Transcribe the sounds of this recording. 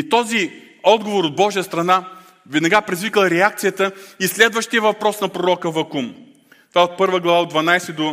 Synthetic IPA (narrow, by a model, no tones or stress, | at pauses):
it̪ɔzi | ɔd̪ɡovoɾod̪̚bɔʒijəst̪ɾɐna | vɛd̪nɐɡapɾizvikəlˠɾɛak̚t̪sijət̪əislɛd̪vəʃt̪ijɛvɐpɾɔsnɐpɾoɾɔkəvɐkum | t̪vaɛot̪̚pɤɾvəɡlˠɐvaod̪vɐnajsɛd̪o